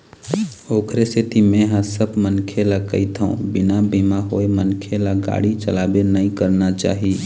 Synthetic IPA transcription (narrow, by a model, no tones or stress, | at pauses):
oːkɾeset̪ʰimẽɦãsəbʱmənkʰelakə̰it̪ʰṵ̃bɪnabʱimaɦoemənkʰelaɡa̰ɽit͡ʃəlaːbenəĩkəɾnat͡ʃa̰ːɦi